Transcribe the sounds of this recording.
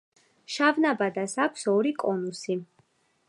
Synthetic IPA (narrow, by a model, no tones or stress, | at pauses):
ʃavnabad̪asakʷʰsɔɾikʼɔnusi